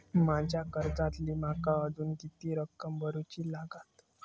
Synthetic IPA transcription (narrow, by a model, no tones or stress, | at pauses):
mad͡ʑʱjakəɾd͡zat̪liːmakaəd̪uːnɡit̪iːɾəkːəmbəɾut͡ɕiːlaɡat̪